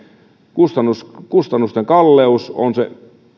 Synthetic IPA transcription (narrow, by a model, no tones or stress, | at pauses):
kust̪ɑnːuskust̪ɑnːust̪eŋkɑlːeuso̰nsḛ